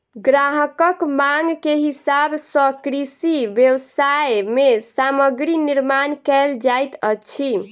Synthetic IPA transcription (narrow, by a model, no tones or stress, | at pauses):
ɡɾaɦəkəkmaŋɡkeɦisabsəkɾisibjəwsajmesaməɡɾiniɾmankɛld͡ʒajt̪ət͡ʃʰi